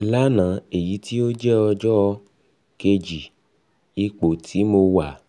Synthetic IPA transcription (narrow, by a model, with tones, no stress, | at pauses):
la˦nã˨˦e˨ji˨˦ti˦o˦d͡ʒɛ˦ɔ˧d͡ʒɔ˦˧ | ke˧d͡ʒi˨ | i˧k͡po˨tʰi˨˦mo˧wa˦˨